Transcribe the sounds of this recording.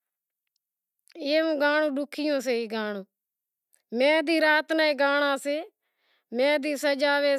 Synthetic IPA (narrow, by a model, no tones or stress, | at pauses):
eːũːɡaːɽ̃ũːɖʊkʰɪjõːs̬eːiːɡaːɳõː | mɛ̃ːd̪iːɾaːt̪naːĩːɡaːɳ̃ãːseː | mɛ̃ːd̪iːsəd͡ʒaːʋeː